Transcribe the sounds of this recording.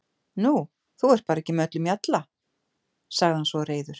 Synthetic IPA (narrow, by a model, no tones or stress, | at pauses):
nu | θuɛɾ̥t̪̚paːɾɛcːɪmœt̪lʏmjat̪la | saɣðɪhansvɔreːjðʏɾ̥